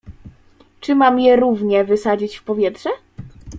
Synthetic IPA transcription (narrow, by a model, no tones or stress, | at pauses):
t͡ʂɘmamjɛɾuvɲɛvɘsad͡ʑit͡ɕfpɔvʲjɛtʂɛ